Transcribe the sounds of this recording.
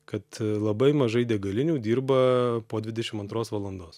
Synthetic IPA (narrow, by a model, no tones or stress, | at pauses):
kɐt̪lˠɐbɐɪmɐʒɐɪd̪ʲɛɡɐlʲɪnʲuːd̪ʲiːɾbɐpoːd̪ʲʋʲɪd̪ʲɛʃʲɪmɐnt̪ɾoːsʋɐlˠɐnd̪oːs